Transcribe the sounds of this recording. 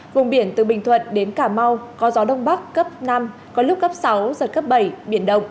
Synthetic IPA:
vʊ̰˨˩ŋ͡mɓi˧˩ənt̪ɨ˨˩ɓï˨˩ŋ̟t̪ʰwə̰˧˨nɗe˨˦nkaː˧˩ma˧wkɔ˨˦zɔ˨˦ɗə˧wŋ͡mɓa˦˥kːə˦˥p̚na˧m | kɔ˨˦lʊ˦˥k͡p̚kːə˦˥p̚sa˨˦wzə˨˩t̚kə˦˥p̚ɓə˧˩jɓi˧˩ənɗə˧wŋ͡m

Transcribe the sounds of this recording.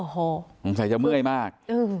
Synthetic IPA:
o˧˩hoː˧˩ko˨˦ŋs̬a˧˩˦jt͡ɕa˧˩mɯ˥˩əjmaː˥˩k̚ʔɯː˧˩

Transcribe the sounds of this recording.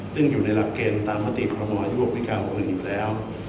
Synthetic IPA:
sɯ˥˩ŋjuː˨˩na˧jla˨˩kːeː˧nt̪aː˧mːaː˦˥t̪ḭ˨˩kʰɔː˧ɾɔ˧mɔː˧juː˥˩ək̚wi˦˥kaː˧nko˧m˧njuː˨˩lɛː˦˥w

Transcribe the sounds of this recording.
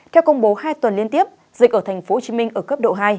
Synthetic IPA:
t̪ʰɛ˧wkə˧wŋ͡mɓo˨˦haː˧jt̪wə˨˩nli˧ənt̪i˦˥əp̚ | zḭ˨˩k̚ʔəː˧˩t̪ʰa˨˩ŋ̟fo˨˦˨t͡ɕi˨˦mï˧ŋ̟ʔəː˧˩kə˦˥p̚ɗo̰˧˨ɦaː˧j

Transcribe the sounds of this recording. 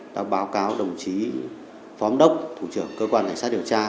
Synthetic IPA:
ɗa̰ː˨˧˥wɓaː˨˦wkaː˨˦wɗə˨˩wŋ͡mt͡ɕi˨˦ | fɔ˨˦mɗə˦˥wk͡p̚t̪ʰu˧˩t͡ɕɨ˧˩əŋkəː˧kwaː˧nt̪ŋ̟a˦˥ɗi˨˩əwt͡ɕaː˧

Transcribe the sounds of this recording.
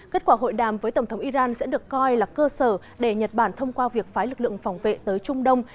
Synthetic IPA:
ke˦˥t̚kwaː˧˩ɦo̰˧˨jɗaː˨˩mvəː˨˦jt̪ə˧˩ŋ͡mt̪ʰwʔi˧zaː˧nsɛ̰˧˥ɗɨ˨˩əkːɔ˧jlaː˨˩kəː˧səː˧˩ | ɗe˧˩ɲə˨˩t̚ɓaː˧˩nt̪ʰə˧wŋ͡mkwaː˧vi˨˩ək̚faː˨˦jlɨ˨˩k̚lɨ̰˧˨əŋfa˨˩wŋ͡mvḛ˧˨t̪əː˨˦jt͡ɕʊ˧ŋ͡mɗə˧wŋ͡m

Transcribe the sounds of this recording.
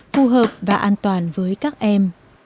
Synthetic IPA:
fu˧ɦəː˨˩p̚vaː˨˩ʔaː˧nt̪waː˨˩nvəː˨˦jkaː˦˥k̚ʔɛ˧m

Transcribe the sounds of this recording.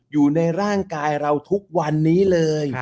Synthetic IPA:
juː˨˩na˧jɾaː˥˩ŋkaː˧jɾa˧wt̪ʰu˦˥k̚wa˧nːiː˦˥lɤː˧j

